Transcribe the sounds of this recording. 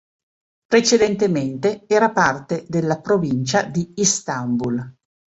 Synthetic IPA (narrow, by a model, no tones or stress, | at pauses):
pɾet͡ʃed̪ent̪ement̪eɛːɾapart̪ed̪elːapɾovint͡ʃad̪iist̪ambul